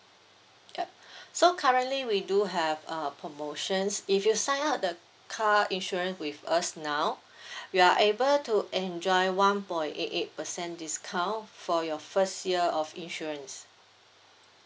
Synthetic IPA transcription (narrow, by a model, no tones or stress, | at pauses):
jasokʰaɹə̃ntliwiduɦɛvʌpʰɹomoʃə̃nsifjusãɪ̃nat̚də | kʰaĩnʃɔɹə̃nswivasnaʊ | juaʔebəltuʔɛ̃nd͡ʒɔɪwãnpɔ̃ɪ̃netet̚pəsɛ̃ndiskʰãnfɔjɔfəstjiəɔfĩnʃɔɹə̃ns